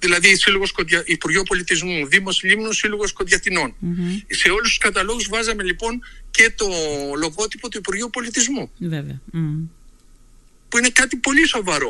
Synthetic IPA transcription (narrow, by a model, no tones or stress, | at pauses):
ðilɐðisiloɣo̞skot̪ʝɐʔipuɾʝopo̞lit̪izmuðimo̞silimnusiloɣo̞skot̪ʝɐt̪ino̞nse̞o̞lust̪u̥skɐt̪ɐlo̞ɣuzvɐzɐme̞lipo̞nce̞t̪o̞lo̞ɣo̞t̪ipo̞t̪uipuɾʝupo̞lit̪izmuvev | puine̞kɐt̪ipo̞liso̞vɐɾo̞